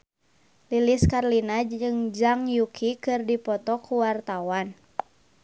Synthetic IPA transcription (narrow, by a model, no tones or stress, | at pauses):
liliskarlinaɨŋd͡ʒaŋjukʰikɨrdipɔt̪ɔkuwart̪awan